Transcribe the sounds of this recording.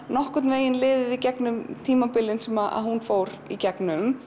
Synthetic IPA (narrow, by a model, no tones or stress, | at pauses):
nɔhkʏt̪nveːjɪnlɪːðɪðicɛknʏmt̪ʰiːmapɪlɪnsɛmaa̰ðhunfoːwɾ | icɛknʏm